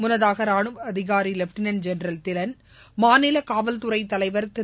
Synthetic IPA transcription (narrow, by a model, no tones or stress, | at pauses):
mʊnɐðaːɣɐɾaːɳɯmɐðɪɣaːɾilɛfʈɪnɐnd͡ʒɛnɾɐlt̪ɪlɐn | maːnɪlɐkaːʋɐlt̪ʊɾɐɪt̪ːɐlɐɪʋɐɾt̪ɪ